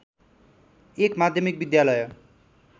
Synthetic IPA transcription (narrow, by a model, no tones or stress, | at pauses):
ekmad̪ʱjʌmik̚bid̪jalʌj